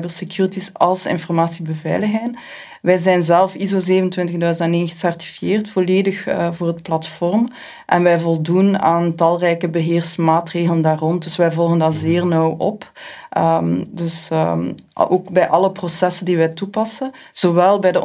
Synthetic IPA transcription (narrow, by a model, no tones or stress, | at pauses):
bəlˠsekjuːɹitisɑ̰lˠsɪ̰nfɔrmaːsibəvɛ̰ːjləxɦɛjn | ʋɛjzɛjnzɛlˠfizozeːvənəntwɪntəɣdœɥzəntɛneːnɣə̥sɛrti̥fijeːrtfoleːdəxvoːrɦətplɑtfɔrm | ʔɛ̰nʋɛjvɔlˠdunaːntɑlˠrɛjkəbəɦeːrsmaːtreːɣləndaːrɔn̚dɵsʋɛjvɔlˠɣəndaːzeːrnɔwʔɔ̰pədɵs | oːkbɛjʔɑləprosɛsəndiʋɛjtupɑsəz̥oʋɛlˠbɛjdə